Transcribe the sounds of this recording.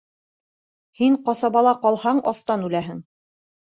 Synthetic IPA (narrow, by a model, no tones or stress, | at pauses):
hiɴqɑsɑβɑlˠɑqɒlˠhɑɴʔɑst̪ɑnʉlæɦɘŋ